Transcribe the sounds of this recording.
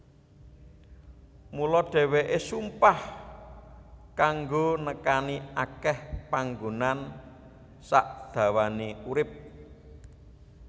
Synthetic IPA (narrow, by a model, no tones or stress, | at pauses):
mulɔɖ̥ɛ̤weʔesumpah | kaŋɡonəkaniakɛhpaŋɡonan | saʔd̪̥ä̤waneuɾɪp̚